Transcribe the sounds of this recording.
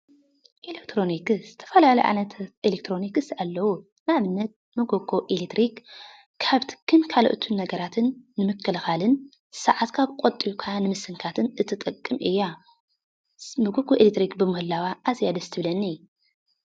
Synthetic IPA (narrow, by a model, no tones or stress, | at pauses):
ʔelekt̪ʰɾo̞nikz̥ɨt̪ʰɐ̥fɐlalɐjʔa̰nɐt̪ʰʔelek̚t̪ʰɾo̞nikɨsalːɐwu | naβɨnːɐt̪̚mɐɡoɡo̞ʔelet̪ɾikːʰ | aβt̪ʰɨ̥kʰːɨnkʰalo̰ʔɨt̪ʰunnɐɡɐɾat̪ʰɨnːɨmɨkʰːɨlxalɨn | sɐ̰ʕat̪kʰaβkʷʼot̪ʼːikʰaanɨmɨsɨŋkʰat̪ʰɨnʔɨt̪ʰɨt̪ʼɨkʼːɨmʔɨjːa | mɐɡoɡʰʼoʔelet̪ɾikbɨmɨhɨlawaʔːzjad̪ɐst̪ʰɨβlɐnːi